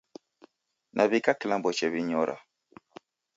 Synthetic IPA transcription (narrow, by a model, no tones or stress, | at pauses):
nʔaβikakilãmbɔt͡ʃɛβiɲɔɾʔa̰